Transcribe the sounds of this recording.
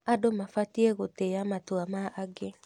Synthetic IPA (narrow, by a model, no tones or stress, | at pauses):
adomafatieɣoteamatoamaʔaɡe